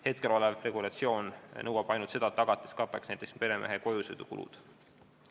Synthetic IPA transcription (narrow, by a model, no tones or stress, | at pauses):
he̞t̪̚ke̞lo̞levre̞ɡ̥ulɑt̪sio̞ːnnɤwɑb̥ɑjnult̪se̞d̪ɑt̪ɑɡ̥ɑt̪ːˑeskɑpːˑeksnæjt̪ekspe̞ɾe̞mʔeɦeko̞jused̪̥ukṵlṵd̪̥